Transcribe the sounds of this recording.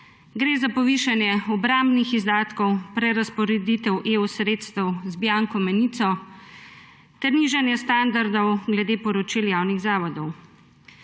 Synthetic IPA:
ɡɾeːzapɔʋiːʃanjɛɔbɾambnixizd̪aːt̪kɔwpɾɛɾaspɔɾɛd̪it̪ɛwʔeːusɾeːt̪st̪ɛwzbjaŋkɔmɛniːt̪sɔ | t̪ɛɾniːʒanjɛst̪and̪aɾd̪ɔwɡlɛd̪eːpɔɾɔt͡ʃiljaːwniɣzaːʋɔd̪ɔw

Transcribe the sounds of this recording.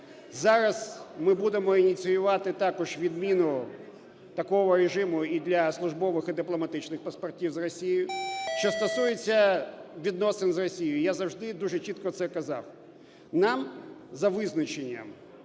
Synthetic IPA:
zɑɾɐzmɪbud̪emɔinʲit̪sɨjʊʋɑt̪ɪt̪ɑkɔʒʋʲid̪mʲinʊ | t̪ɐkɔɦɔɾeʒɪmʊid̪lʲɐslˠʊʒbɔʋɪxid̪ɪplˠɔmɐt̪ɪt͡ʃnɪxpɐspɐrtʲiwzrɔsʲijjʊʃt͡ʃɔst̪ɔsujet͡sʲːɐʋʲid̪̚nɔsɪnzrɔsʲijʊjazɐwʐd̪ɪd̪uʒet͡ʃit̪kɔt̪sɛkɐzɑ̰w | nɑmzɐʋɪznɐt͡ʃenʲːɐ̰m

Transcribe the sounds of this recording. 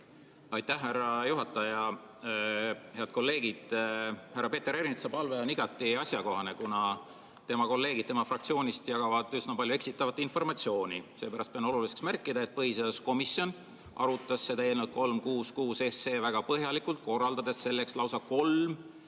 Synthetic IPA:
ɑjt̪ːæhːærɑjuɦɑt̪ːˑɑjɑ | he̞ɑd̪̥̚ko̞lːe̞ːɡ̥id̪̥hærːɑpe̞ːt̪ːe̞ɾeɾint̪sɑpɑlveoniɡ̥ɑt̪ːˑiɑsjɑko̞ɦɑne̞kunɑ | t̪e̞mɑko̞lːe̞ːɡ̥id̪̥̚t̪e̞mɑfrɑk̪̚sio̞ːnʲist̪jɑɡ̥ɑvɑd̪̥ysnɑpɑlʲjue̞ksit̪ːˑɑvɑt̪ːˑinfo̞rmɑt̪sio̞ːnʲise̞ːpæɾɑst̪̚peno̞luliseksmærkːˑid̪ɑe̞t̪̚pɤhiseosko̞misjo̞n | ʔɑ̰ɾut̪ːˑɑsːe̞t̪æjelnult̪̚ko̞lmkuːskuːse̞sːe̞ːvæɡ̥ɑpɤɦjɑlikult̪̚ko̞rːɑld̪ɑd̪e̞sːe̞lːe̞kslɑwsɑko̞lm

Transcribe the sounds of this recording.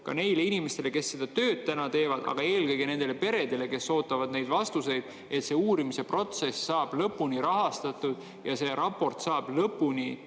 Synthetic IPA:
kɑ̰ne̞jle̞inime̞st̪e̞le̞ke̞sːe̞d̪̥ɑt̪ø̞ːd̪̥̚t̪ænɑt̪e̞ːvɑd̪̥ɑ̰ɡ̥ɑe̞ːlkɤjɡ̥ine̞nd̪e̞le̞pe̞ɾe̞d̪̥e̞le̞ke̞sːo̞ːt̪ːˑɑvɑd̪ne̞jd̪̥vɑst̪use̞jd̪̥ | e̞t̪se̞ːuːɾimise̞pro̞t̪se̞sːɑːb̥lɤpːˑuniɾɑɦɑst̪ɑt̪ːˑud̪̥ | jɑse̞ɾɑpːo̞rt̪sɑːb̥lɤpːuni

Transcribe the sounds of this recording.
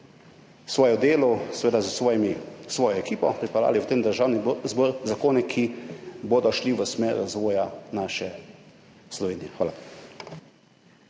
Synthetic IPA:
sʋɔːjɔd̪eːlɔsʋeːd̪azmisʋɔːjɔɛkiːpɔpɾipɛla̰ːliwt̪eːmd̪əɾʒaːwnizbɔːɾzakoːnɛkʰiboːd̪ɔʃliʋəsmɛɾːazʋɔːjanaːʃɛ | slɔʋeːnijɛxʋaːla

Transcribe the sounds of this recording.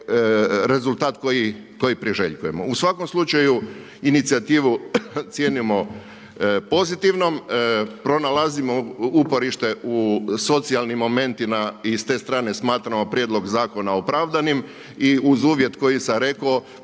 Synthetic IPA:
ɾe̞zulˠt̪aːt̪kojiko̞jipɾiʒḛʎkuje̞mo̰usʋako̞mslˠut͡ʃaju | init̪siat̪iːʋut̪sje̞ːnimo̞ | po̞zit̪iʋno̞mpɾo̞nalazimoupo̞ɾiʃt̪e̞ʔuso̞t̪sialˠnimːo̞me̞nt̪imaist̪e̞ːst̪ɾaːne̞smaːt̪ɾamo̞pɾjed̪lˠo̞ɡzaːko̞naopɾaʋd̪anim | iuzuːʋje̞t̪ko̞jisaɾe̞ko

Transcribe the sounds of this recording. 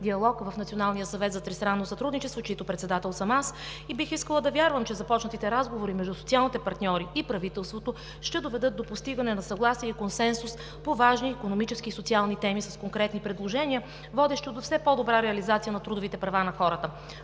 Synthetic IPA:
d̪iɐlˠɔkvɐfnɐt̪sionalˠnijəsɐvɛt̪zɐt̪ɾɛst̪ɾanːosɐt̪ɾud̪nit͡ʃɛst̪vot͡ʃit̪opɾɛt̪sɛd̪at̪ɛlˠsɐmasibixiskəlˠəd̪ɐvʲjaɾvəmt͡ʃɛzɐpɔt͡ʃnət̪it̪ɛɾazɡovoɾimɛʒd̪usotsialˠnit̪ɛpɐɾt̪nʲɔɾiipɾɐvit̪ɛlˠst̪vot̪o | ʃt̪ɛd̪ovɛd̪ɤt̪̚d̪opost̪iɡənɛnɐsɐɡlˠasiəkonsɛnsus | povaʒniːkonomit͡ʃɛskiːsot̪sialˠnit̪ɛmisɐskoŋkɾɛt̪nipɾɛd̪lˠoʒɛnʲiə | vɔd̪ɛʃt̪od̪ofsɛpɔd̪obɾaɾɛɐlizat̪sijənɐt̪ɾud̪ovit̪ɛpɾɐvanɐxɔɾət̪ə

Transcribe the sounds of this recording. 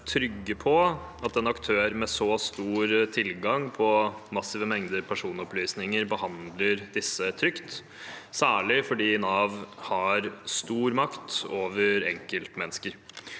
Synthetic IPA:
t̪ʰɾʏɡːəpʰɔɑt̪ɛnɑkt̪ʰøːɾmɛsɔst̪uːɾt̪ʰɪlɡɑŋpʰɔmɑsɪʋəmɛŋd̪əɾpʰæʂuːnɔplyːsnɪŋəɾbəhɑnd̪ləɾd̪ɪsːət̪ʰɾʏkt̪ | sæːɭɪfɔɖiːnɑʋhɑɾst̪uːɾmɑkt̪oːʋəɾɛ̰ŋkəlt̪mɛnːəskəɾ

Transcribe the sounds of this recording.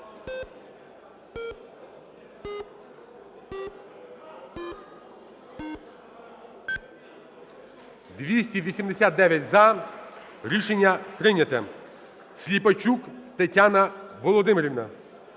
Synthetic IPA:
d̪ʋʲisʲtʲiʋʲisʲimd̪esʲat̪̚d̪ɛʋʲjɐtʲzɐ | ɾʲiʃenʲːɐpɾɪnʲɐt̪ɛ | sʲlʲipɐt͡ʃukt̪ɐtʲanɐʋɔlˠɔd̪ɪmeɾʲiʋnɐ

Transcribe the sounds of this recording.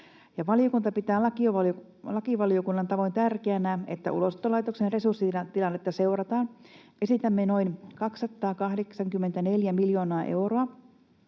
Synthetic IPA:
jɑʋɑlijokunt̪ɑpit̪æːɑ | lɑkiʋɑlio̞kunːɑnt̪ɑʋo̞jnt̪ærkeænæːe̞t̪ːæ̰ʔṵlost̪ːˑolɑjt̪oksenre̞sursːiɑt̪ːilɑnːet̪ːɑse̞urɑt̪ɑːnʔe̞sit̪æmːeno̞inkɑksːɑt̪ːˑɑːkɑhdeksɑŋkymːe̞nt̪æne̞ljæmiljo̞ːnoɑʔe̞̰wro̞ɑ

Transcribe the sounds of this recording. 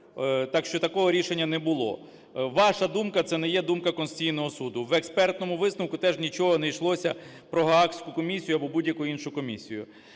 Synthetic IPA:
t̪ɑkʃt͡ʃɔt̪ɐkɔɦɔɾʲiʃenʲːɐnɛbʊlˠɔ̰ | ʋɑʃɐd̪umkɐt̪sɛnɛjɛd̪umkɐkɔnst͡sʲijnɔɦɔsud̪ʊʋekspɛrt̪nɔmʊʋɪsnɔwkʊt̪ɛʒnʲit͡ʃɔɦɔnɛjʃlˠɔsʲɐ | pɾɔɦɐɑksʲkʊkɔmʲisʲijʊɐbɔbudʲjɐkʊjʊinʃʊkɔmʲisʲijʊ̰

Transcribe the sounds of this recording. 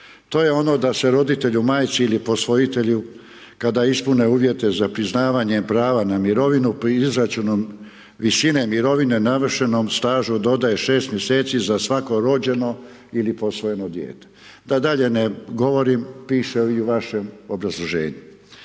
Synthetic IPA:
t̪o̞ːje̞o̞no̞d̪ase̞ɾo̞d̪it̪e̞ʎumaːjt̪siilipo̞sʋo̞it̪e̞ʎu | kad̪aispuneuːʋje̞t̪e̞zapɾiznaːʋaɲepɾaːʋanamiɾo̞ʋinuizɾat͡ʃunom | ʋisine̞miɾo̞ʋine̞naʋr̩ʃe̞nomst̪aːʒud̪o̞d̪aje̞ʃe̞ːst̪mje̞se̞ːt̪sizasʋako̞ɾo̞d͡ʑe̞no̞ | ilipo̞sʋo̞je̞no̞d̪jḛːt̪e̥ | d̪ad̪aʎe̞neɡo̞ʋo̞ɾimpiːʃeiuʋaʃemo̞bɾazlˠoʒḛːɲu

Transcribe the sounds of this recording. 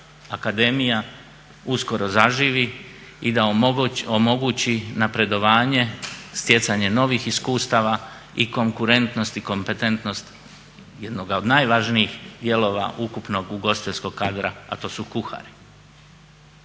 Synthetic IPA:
akad̪e̞mija | usko̞ɾo̞zaʒiːʋi | id̪aomo̞ɡut͡ɕinapɾe̞d̪o̞ʋaːɲe̞st̪je̞t̪saɲe̞no̞ʋixiskuːst̪aʋa | iko̞ŋkuɾe̞nt̪no̞st̪iko̞mpe̞t̪e̞nt̪nost̪ | jed̪no̞ɡaod̪naːjʋaʒniixd̪je̞lo̞ːʋa̰ʔukupno̞ɡuɡo̞sit̪eʎʲsko̞ɡkaːd̪ɾaa̰t̪o̞ːsukuxa̰ɾi

